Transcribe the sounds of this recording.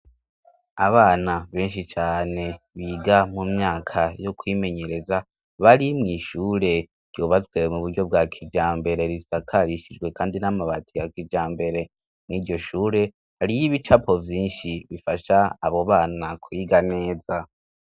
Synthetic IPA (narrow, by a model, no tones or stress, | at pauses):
a̰βaːnaβe̞ːnʃit͡ʃaːne̞ | βiːɡamumɲaːkʰajokwiːme̞ɲe̞ɾe̞za | βaɾimŋiːʃuːɾe̞ | ɡ̥ɟ̥joːβazɡwe̞muβuɾɟo̞b̚ɡakʰid͡ʒaːmbe̞ɾe̞ɾisakʰaɾiʃid͡ʒɡwe̞kaːndinamaβatʰijakid͡ʒaːmbe̞ɾe̞ | mŋiːɾɟo̞ʃuːɾe̞ | haɾijiβit͡ʃapo̞vjiːnʃiβifaʃaːβo̞βaːnakʰuiɡane̞ːza